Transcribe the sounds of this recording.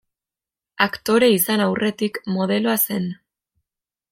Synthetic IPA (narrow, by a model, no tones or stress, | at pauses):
akt̪o̞ɾe̞isanawrʔe̞t̪ikmo̞ð̞e̞lo̞ase̞n